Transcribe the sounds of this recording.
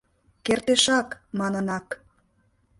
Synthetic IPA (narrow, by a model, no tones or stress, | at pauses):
kert̪eʃɑkmɑnənɑk